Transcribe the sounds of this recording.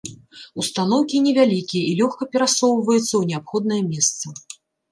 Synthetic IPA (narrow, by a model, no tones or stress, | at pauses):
ust̪anɔwkʲinʲɛvʲalʲikʲijɐʔilʲɔxkɐpʲɛɾasɔwvɐjut̪sːɐwnʲɛapxɔd̪̚nɐjɛɐmʲɛst̪sɐ